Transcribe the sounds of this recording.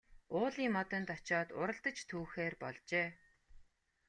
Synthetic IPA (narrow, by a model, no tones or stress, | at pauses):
ʊːɮiːŋmɔt̪ə̆nt̪ɔt͡ɕɔːt̪ʊɾə̆ɮt̪ə̆t͡ɕt̪ʰuːxeːrpɔ̰ɮt͡ɕeː